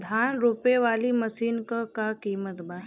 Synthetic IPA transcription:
d̪ʱaːnɾuːpeʋaːliməsiːnkəkakiːmət̪ba

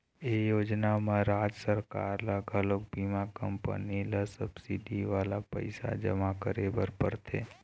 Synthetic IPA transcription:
ejod͡ʒnamãɾad͡ʒsəɾka̰ɾlaɡʱalok̚bimakəmpə̰nilasəbsiɖiʋalapə̰jsa̰d͡ʒəmãkəɾebəɾpəɾt̪ʰḛ

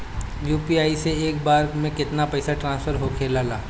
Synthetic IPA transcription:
juːpiaːiseeːk̚baːɾmẽkɪt̪napɛːsaʈɾãːnspʰəɾɦokʰeːlaːlaː

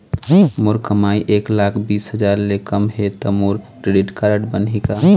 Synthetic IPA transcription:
moɾkəmaːiʔeːklakʰbiːsɦəd͡ʒaːɾlekəmɦet̪ɔmoɾkɾeɖɪʈkaɾəʈbənika

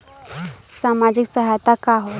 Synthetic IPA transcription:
saːmad͡ʒiksəɦajt̪akaɦo

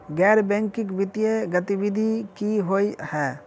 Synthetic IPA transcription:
ɡɛɾbɛ̃ŋkikbit̪ijeɡət̪ibid̪ʱikiɦojhɛ

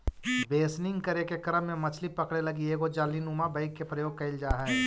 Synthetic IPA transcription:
beːsnɪ̃ŋɡkɐɾekekɐɾəmːẽmɐt͡ʃʰlipɐkɽelɐɡieːɡod͡ʒaːlinuːmabɐɪkːepɾɐjoːɡ̚kɐɪld͡ʒaːɦɛ

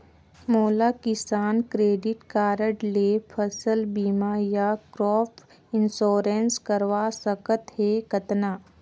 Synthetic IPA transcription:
moːlakɪsaːnkɾeːɖɪʈkaːɾəʈlepʰəsəlbiːmajakɾɔːpʰ | ɪnsoːɾenskəɾʋaːsəkət̪ɦɛkɐt̪naː

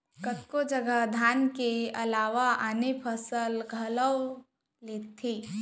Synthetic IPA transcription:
kət̪kod͡ʒəɡəd̪ʱaːnkeɐlaːʋaʔaːnepʰəsəlɡʱələw | leːt̪ʰːiː

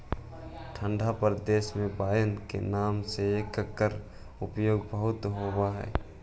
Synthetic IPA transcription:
ʈʰə̃ɳɖʱapəɾd̪eːʃmẽbaːjənkḛnaːmseekːəkːəɾ | ʊpjoːɡbəɦʊt̪ɦoːbaɦɛ̰ː

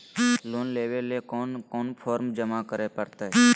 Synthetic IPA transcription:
loːnleːʋeleːkoːnkoːnpʰoːɾmd͡ʒəmakəɾeːpəɾt̪aɦe

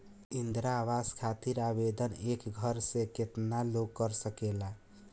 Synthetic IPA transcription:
ind̪ɾaβaskʰat̪iɾabed̪ənekɡʱəɾsẽket̪naloɡ̚kːəɾsəkela

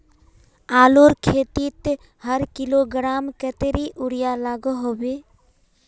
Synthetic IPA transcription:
aːloːɾkʰeːt̪it̪ | həɾkɪloːɡɾaːmkət̪eɾiʔʊɾɪjalaːɡɦoːbeː

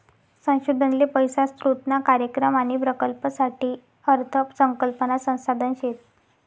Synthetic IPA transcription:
sə̃w̃ɕud̪ʱənlepəjsast̪ɾut̪nakaɾjəkɾəmaɽ̃ipɾəkəlpəsaʈiː | əɾt̪ʰəpsəŋkəlpənasə̃w̃sad̪ʱənɕet̪

